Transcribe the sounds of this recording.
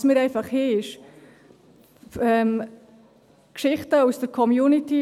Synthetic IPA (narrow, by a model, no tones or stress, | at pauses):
smɪːɾɛɪfɑχheɪʃ | ɛm | kʃɪχtəusd̥əɾkʰɔmjuːniti